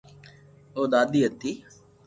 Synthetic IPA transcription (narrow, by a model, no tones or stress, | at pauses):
oːd̪aːd̪iːət̪ːiː